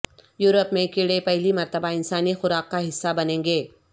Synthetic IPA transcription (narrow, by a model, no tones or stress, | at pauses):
juːɾəpmẽkeːɽepɛɦlimɐɾt̪əbaɪnsaːnixʊɾaːqkaɦɪsːabɐnẽːŋɡeː